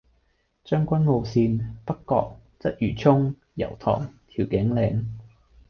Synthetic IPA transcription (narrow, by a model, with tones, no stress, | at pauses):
t͡ʃœː˥ŋkʷɐ˥nŋo˧wsiː˧npɐ˥kːɔ̰ː˧k̚ | t͡sɐ˥t̚jyː˨˩t͡sʰʊ˥ŋ | jɐ̰˨˩wt̪ʰɔ̰ː˨˩ŋt̪ʰiː˨˩wkɪ˨˥ŋlɛː˨˧ŋ